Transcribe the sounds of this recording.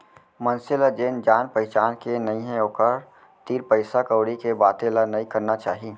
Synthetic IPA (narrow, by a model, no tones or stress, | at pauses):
mənsɪlad͡ʒeːnd͡ʒaːnpəɦɪt͡ʃaːnkenɐĩɦẽoːkəɾ | t̪iːɾpəɪsakəʊɽikebaːt̪ẽlanɐĩkɐɾnat͡ʃaːɦi